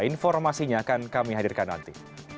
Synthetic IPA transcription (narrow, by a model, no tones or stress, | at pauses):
infɔrmasiɲaːkankamiɦadirkanːa̰nt̪i